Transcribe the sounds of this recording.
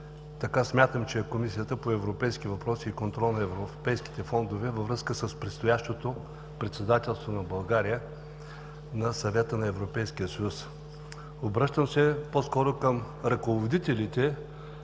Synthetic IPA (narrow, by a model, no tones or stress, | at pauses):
t̪ɐkasmʲat̪əmt͡ʃɛkomisijət̪əpoɛvɾopɛjsk̟ivɐpɾɔsiːkont̪ɾɔlˠnɐɛvɾopɛjski̥t̪ɛfɔnd̪ovɛvɐvɾɤskəsəspɾɛt̪st̪ojaʃt̪ot̪o | pɾɛt̪sɛd̪at̪ɛlˠst̪vonɐbɐlˠɡaɾiə | nɐsɐvɛt̪ənɐɛvɾopɛjskiəsɐjus | obɾɤʃt̪əmsɛposkɔɾokəm | ɾɐkovod̪it̪ɛlit̪ɛ